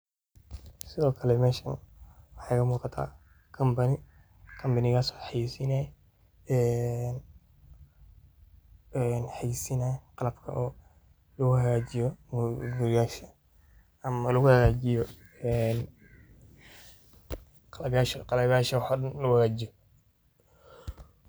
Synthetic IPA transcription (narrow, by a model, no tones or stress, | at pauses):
sɪðɔːkʰɐlɛmɛːʃɐ̰nwɑħɑjkʰɐmuːqɑt̪ʰa̰ː | kʰɐmbɐnɪ | kʰɐmbɐnɪɣaːsɔ̥ːħɑjisinaj | ɛːn | ɛnħɑjisinajqɑlɐbkʰɐ̰ʔɔː | lɐɣʊhɐɣaːt͡ʃɪjɔmɡʊɾɪjaːʃɐ | ɐmɐlʊɣʊhɐɣaːt͡ʃɪjɔ | ɛn | qɑlɐbjaːʃqɑlɐβjaːʃɐwħaɗɐnlɐʊhɐɣaːd͡ʒɪjɔ